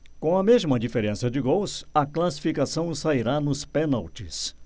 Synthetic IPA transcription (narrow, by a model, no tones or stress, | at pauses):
kõɐmezmɐd͡ʒifeɾẽsɐd͡ʒɪɡowsɐklasi̥fikasɐ̃w̃saiɾanʊspenawt͡ʃɪs